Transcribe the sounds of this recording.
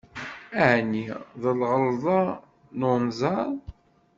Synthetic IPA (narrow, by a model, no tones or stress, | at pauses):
æʕniðəlʁəlðˤɑ | nʊnzˤɑɾˤ